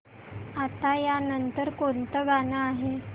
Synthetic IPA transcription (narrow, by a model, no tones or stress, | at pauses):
at̪ajanənt̪əɾkont̪əɡanaːɦe